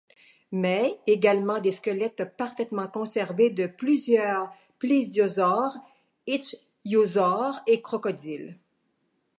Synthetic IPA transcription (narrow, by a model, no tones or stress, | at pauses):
mɛeɡalmɑ̃d̪eskʲəlɛt̪paʁfɛt̪mɑ̃kɔ̃sɛʁved̪əplyzjœːʁʁ | plezjozɔʁ | ɪtt͡ʃ | jozɔʁekχɔkɔd̪il